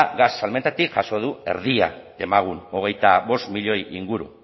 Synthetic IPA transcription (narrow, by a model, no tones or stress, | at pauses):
ɣasːalment̪at̪ikʝaso̞ð̞ue̞̰ɾðia̰ | e̞maɣ̞uno̞ɣ̞e̞jt̪aβo̞st̪miʎo̞jiŋɡuɾṵ